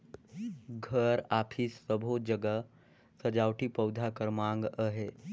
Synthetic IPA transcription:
ɡʱəɾaːpʰisːəbʱod͡ʒəɡə | sɐd͡ʒaːwʈipɐwd̪ʱakəɾmãːŋɡəɦeː

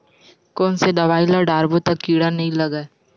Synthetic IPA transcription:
kɔːnsed̪ɐʋaːilaɖaːɾbot̪ɐkːiːɽanɐɦĩlɐɡɛː

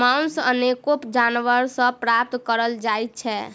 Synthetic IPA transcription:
maunsənekopd͡ʒanʋəɾsə̃pɾap̚t̪kəɾəld͡ʒajt̪̚t͡ʃʰɛ

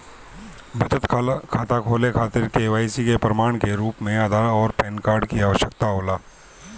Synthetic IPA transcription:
bʱɐd͡ʒət̪kʰaːt̪akʰoːlekʰaːt̪ɪɾkeʋaːisikepɾɐmaːɳ̃keɾuːpmẽaːd̪ʱaːɔːɾpɛːnkaːɾɖkiaːʋəʃjəkt̪aɦoːlaː

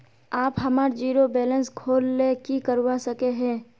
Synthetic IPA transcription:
aːpɦɐmaːɾd͡ʒiːɾobɛːlə̃nskʰoːlːekikəɾwasəkeɦɛ̃ː

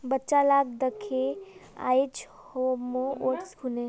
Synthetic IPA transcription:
bətːt͡ʃalaːɡ̚d̪əkʰea̰ːet͡ʃ | homooːʈskʰune

